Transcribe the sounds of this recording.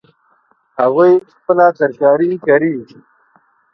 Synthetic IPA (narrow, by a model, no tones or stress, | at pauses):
haɣujxpəlasɐɾkaːɾikaɾi